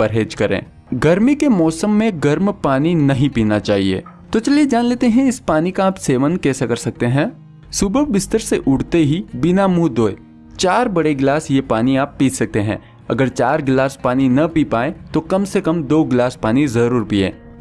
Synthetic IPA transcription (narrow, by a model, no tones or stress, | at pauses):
ɐɾɦeːd͡ʒkɐɾḛ̃ː | ɡɐɾmikemɔːsəmːẽɡɐɾmpaːninɐɦĩpiːnat͡ʃaːɦiḛː | t̪ot͡ʃɐlied͡ʒaːnleːt̪eɦɛ̃ɪspaːnikaːpseːʋənkɛːsekɐɾsɐk̚t̪eɦɛ̃ː | subəbɪst̪əɾseʔʊɽt̪eɦibɪnamuːd̪oːḛ | t͡ʃaːɾbɐɽeɡlaːsjepaːniaːpːiːsɐk̚t̪eɦɛ̰̃ː | ɐ̰ɡəɾt͡ʃaːɾɡlaːspaːninɐpipaːẽt̪okɐmsekɐmd̪oːɡlaːspaːnizɐɾuːɾpiːḛ̃ː